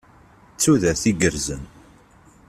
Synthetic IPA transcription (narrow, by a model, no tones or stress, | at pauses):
t͡sːuðæɾθiɡəɾzən